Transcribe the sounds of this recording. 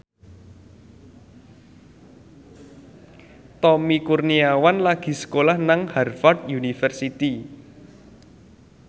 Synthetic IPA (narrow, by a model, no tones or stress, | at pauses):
t̪ɔmikurniawanlaɡ̥i̤sə̥kolahnaŋharfard̪̚junifɛrsit̪i